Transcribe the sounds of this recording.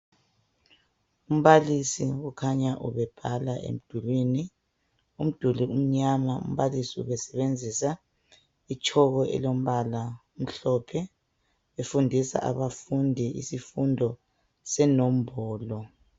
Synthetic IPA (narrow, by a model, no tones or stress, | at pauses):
um̩βalisiɣukʰaɲaʔṵβɛb̥ʱalaʔḛm̩d̥ʱulwini | um̩d̥ʱulium̩ɲamaṵm̩βalisiṵβɛsɛβend͡zʱisa | it͡ʃʼʰɔɣɔʔɛ̰lom̩βalaum̩ɬɔpʰɛ | βefundʱisa̰ʔaβafundʱiʔḭsifundʱɔ | sɛnɔm̩bɔːlɔ